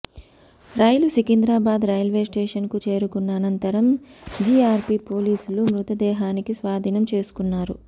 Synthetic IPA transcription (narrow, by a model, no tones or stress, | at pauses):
ɾɐjlusikind̪ɾaːbaːd̪ɾɐjɐlʋe̞ːsʈeːʂɐnkut͡ʃe̞ːɾukunːɐːnɐnt̪ɐɾɐmd͡ʒiaːɾpipo̞ːliːsulumɾut̪ɐd̪ɛːɦaːnikisʋaːd̪ʱiːnɐmt͡ʃe̞ːsu̥kunːaːɾu